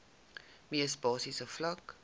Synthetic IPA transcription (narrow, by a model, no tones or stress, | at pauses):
miəsbɑːsisəflɐk